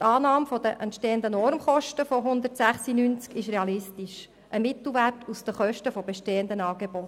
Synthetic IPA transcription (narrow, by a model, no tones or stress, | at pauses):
t̪ɑːnɑːmfodəʔɛnt̪ʃteːəndənɔɾmχɔʃtəfoɦʊnd̪ərtsæχsinyːnt͡skɪʃɾeɑlɪstiʃ | ʔəmɪt̪l̩ˠʋærtʰusd̥̪əχœʃtəfɔbeʃteːəndənɑːɡebɔt